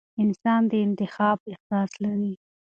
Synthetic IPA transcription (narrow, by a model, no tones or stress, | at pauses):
ɪnsɑnd̪əɪnt̪ɪxɑb̚ɪxsɑslaɾi